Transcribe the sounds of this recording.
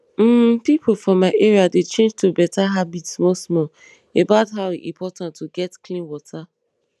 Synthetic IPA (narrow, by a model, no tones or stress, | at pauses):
m̩pipʰofɹɔ̃maɪʔɛɹiadet͡ʃẽnd͡ʒtʰubɛtʰaɦabitsmɔsmɔ | ebaʊtɦaʊiʔḭ̃mpʰɔtãntːuɡɛtklĩnwɔtʰa